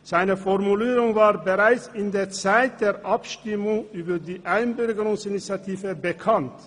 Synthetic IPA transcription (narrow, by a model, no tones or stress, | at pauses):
z̥aɪnəfɔʁmuliːɾʊŋvaːʁbəʁaɪt͡sɪnd̪eːt͡saɪt̚d̪̥eːʁʔɑpʃtɪmʊŋyːbɐdiːʔaɪnbʏɾɡəɾʊŋsɪnit͡sjat̪ʰiːvəbəkʰɑnt